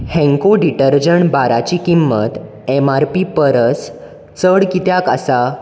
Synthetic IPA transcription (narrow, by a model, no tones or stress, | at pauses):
hɛ̃ŋkoɖiʈəɾd͡ʑəɳbaɾat͡ɕikimːət̪ | emaɾpipəɾəs | t͡səɽkit̪jaka̰sa